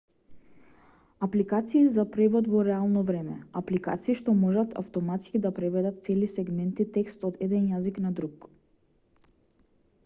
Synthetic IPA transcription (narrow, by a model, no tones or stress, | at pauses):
aplikat̪siːzapɾɛvɔd̪vɔɾɛalˠnɔvɾɛmɛ̰aplika̰t̪siːʃt̪ɔmɔʒat̪ʰa̰ft̪ɔmat̪skid̪apɾɛvɛd̪at̪̚t̪sɛlisɛɡmɛnt̪it̪ɛkst̪ɔd̪ɛd̪ɛnjaziknad̪ɾuk